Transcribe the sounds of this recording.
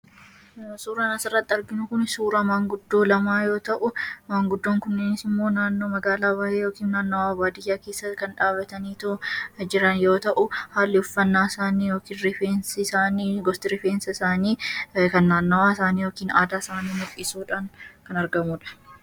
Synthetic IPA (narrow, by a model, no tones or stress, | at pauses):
suːɾɐnɐsɪrːɐt̪ːɪɐɾɡɪnʊkʊnsuːɾɐmaːŋɡʊd̪ːo̞ːlɐmaːjo̞ːt̪ɐʔʊmaːŋɡʊd̪ːoːŋkʊnːɪnɪsɪmːo̞ːnaːnːo̞ːmɐɡaːlaːbaːheːjoːkiːnːaːnːɐwaːbaːd̪ɪjːaːkeːsːɐkɐnᶑaːbɐt̪ɐniːt̪od͡ʒɪɾɐnjo̞ːt̪ɐʔʊhaːlːɪʊfːɐnːaːɪsaːniːjoːkiːnɾɪfeːnssaːniːɡɔst̪ɪɾɪfeːnsɐɪsaːniːkɐnːaːnːɐwaːɪsaːniːjoːkiːnaːd̪aːɪsaːniːmʊkʼiːsuːᶑaːŋkɐnɐɾɡɐmuːᶑɐ̥